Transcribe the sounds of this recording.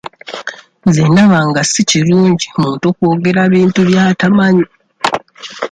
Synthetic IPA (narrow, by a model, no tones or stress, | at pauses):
zeːndaβaŋɡasiciɾuːɲɟimuːntokwo̞ːɡe̞ɾaβiːntuβjaːtamaɲi